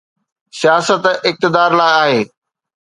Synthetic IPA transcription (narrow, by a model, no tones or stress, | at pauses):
sijaːsət̪ɪk̚t̪ɪd̪aːɾlaːɪaːɦeː